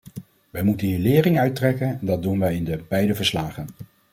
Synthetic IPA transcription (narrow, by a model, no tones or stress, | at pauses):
ʋɛjmutənɦiːlɪːrɪŋœɥtrɛkənɛndɑd̚dunʋɛjɪndəbɛjdəvəɹslaːχən